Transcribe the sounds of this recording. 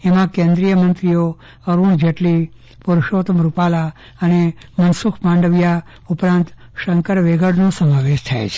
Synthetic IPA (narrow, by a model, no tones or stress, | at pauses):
emãkẽnd̪ɾijəmənt̪ɾijo | əɾuɳd͡ʒeʈli | puɾʃot̪əmɾupala | ənemənsukʰmãɳɖəʋja | upɾãnt̪ | ʃəŋkəɾʋeɡəɽnosəmaʋeʃt̪ʰaḛt͡ʃʰe̥